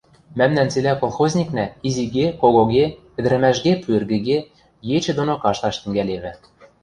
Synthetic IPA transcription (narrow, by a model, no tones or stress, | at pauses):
mæmnænt͡selʲækolˠxozʲnʲiknæiziɣekoɣoɣekɘ̆d̪ɘ̆ɾɘ̆mæʃɡepyɘ̆rɣɘ̆ɣe | jet͡ɕɘ̆d̪onokɑʃt̪ɑʃt̪ɘ̆ŋɡæleβɘ̆